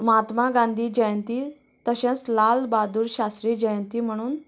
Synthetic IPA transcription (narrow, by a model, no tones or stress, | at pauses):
mat̪maɡãnd̪ʱiːd͡ʑəjənt̪i | t̪əɕẽt͡slalbad̪uːɾɕast̪ɾiːd͡ʑəjənt̪iːm̤əɽ̃uːn